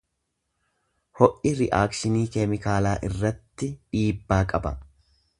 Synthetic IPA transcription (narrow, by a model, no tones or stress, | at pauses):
hɔʔɪɾɪʔaːkʃɪniːkɛmɪkaːlaːʔɪrːɐt̪ːɪᶑiːbːaːkʼɐbɐ̰